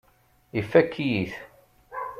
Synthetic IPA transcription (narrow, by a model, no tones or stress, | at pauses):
ifːækʰːijiθ